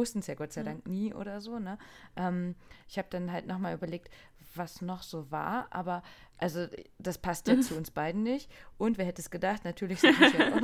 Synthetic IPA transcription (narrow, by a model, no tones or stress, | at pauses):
ʊstn̩sjaːɡɔtt͡saɪdaŋkniːʔo̰ːɾɐzoːnəʔɛːmʔɪçhaːbəd̥anɦaltnɔχmaːlʔyːbɐleːk̚t | v̥asnɔχz̥oːva̰ːɐʔa̰ːbɐ | ʔalzod̥aspʰastjat͡suʊnsb̥aɪdn̩nɪçtʔʊntv̥ɛɐɦɛtəsɡ̥ədaχtnatʰyːɐlɪçz̥jɛaʊ